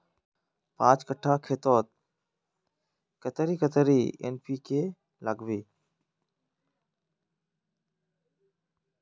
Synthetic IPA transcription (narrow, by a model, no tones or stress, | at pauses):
pãːt͡ʃkəʈʰaːkʰeːt̪oːt̪̚ | kət̪əɾiːkət̪əɾiːḛːnpiːkʰeː | ləɡʋiː